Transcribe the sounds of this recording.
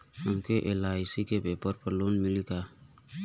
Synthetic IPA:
ɔmkeʔelajsikebepəɾpəɾlunmilika

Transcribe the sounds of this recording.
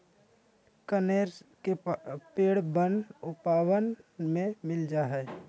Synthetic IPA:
kəneːɾskepeːɽbənʊpaːwənmẽmɪld͡ʒaːɦɛː

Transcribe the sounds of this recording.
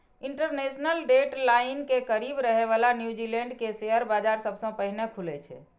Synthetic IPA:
iɳʈəɾnesnəlɖeʈlainkekəɾibɾəɦeβalanjud͡ʒilẽɳɖkesejəɾbad͡ʒaɾsəbsə̃pəɦinekʰulɛt͡ʃʰɛ̰

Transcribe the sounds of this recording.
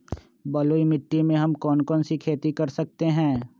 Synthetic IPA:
bɐloːimɪʈːimẽɦɐmkɔːnkɔːnsikʰeːt̪ikɐɾsɐk̚t̪eɦɛ̃ː

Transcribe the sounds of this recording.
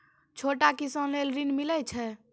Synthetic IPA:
t͡ʃʰoʈakisə̃lelɾinmilɛt͡ʃʰɛ

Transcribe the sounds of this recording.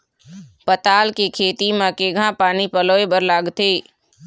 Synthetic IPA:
pət̪aːlkekʰeːt̪imãkeːɡʱãpaːnipəloːebəɾlaːɡt̪ʰeː

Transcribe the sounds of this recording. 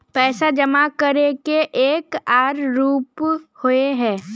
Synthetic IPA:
pɛːsad͡ʒɐmakəɾekeʔeːkaːɾːuːphoeɦɛ̃ː

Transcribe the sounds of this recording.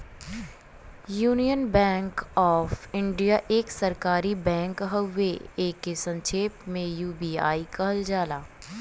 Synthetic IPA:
juːnijənbɛ̃ːŋkɔːfɪ̃ɳɖijaʔeːksɐɾkaːɾibɛ̃ːŋkɦəwːeeːkːesɐ̃nʃʰeːpmẽjuːbiːa̰ːikɐɦəld͡ʒaːlaː

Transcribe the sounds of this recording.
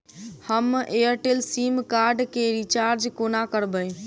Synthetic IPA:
həmeəɾʈelsimkaɾɖkeɾit͡ʃaɾd͡ʒkonakəɾbəj

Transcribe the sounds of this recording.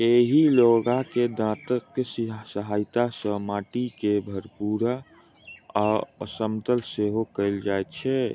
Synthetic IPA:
eɦiloɡaked̪ãt̪ət̪̚kessəɦajt̪asə̃maʈikebʱəɾpuɾa | aəsəmt̪əlseɦokəɪld͡ʒajt̪t͡ʃʰɛ

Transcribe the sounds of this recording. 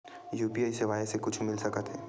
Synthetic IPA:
juːpiaːiseʋaːesekʊt͡ʃʰmɪlsɐkət̪ɦɛː

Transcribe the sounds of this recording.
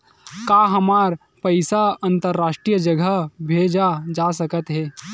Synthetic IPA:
kaːɦɐmaːɾ | pɐɪsaɐ̃nt̪əɾːaːʃʈɾijəd͡ʒəɡʱəbʱeːd͡ʒad͡ʒaːsɐkət̪ɦɛː

